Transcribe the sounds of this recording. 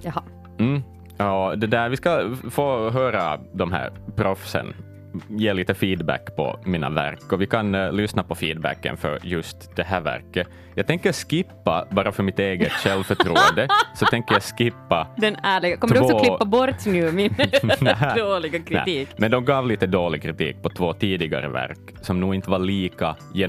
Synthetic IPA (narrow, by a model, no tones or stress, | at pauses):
jh | m̩ː | ɔd̪ɛd̪æːɾvɪskafoːɦøːɾad̪ɔmɦæ̰ːɾpʰɾɔfsə̰n | jeːliːt̪əfiːd̪bæ̰kːpʰɔ̰miːna̰væ̰ɾkːɔvɪkʰanlʏsnapɔfiːd̪bæ̰kːə̰nfœ̰ɾjɵst̪d̪ɛɦæːɾvæ̰ɾkːə | jɑːɡ̚t̪ɛŋkːəɾskɪpːa̰bɑːɾafœɾmɪt̪eːɡət̪ʃɛlʋfœʈʰɾuːənd̪əsɔt̪ʰɛŋkːəɾjɑskɪpːad̪ɛnæːɭɪɡakɔmːd̪ksɔːklɪpːabɔɾt̪nʉːmɪnɛɦæd̪oːlɪɡakɾɪɛ̰iːkmɛnd̪ɔmɡɑːvliːt̪əd̪oːlɪɡ̚kʰɾɪt̪ḭːk̚pɔt̪ʰvoːt̪iːd̪ɪɡa̰ɾə̰væ̰ɾk | sɔmnuːɪnt̪ːəvaɭiːka | jɛ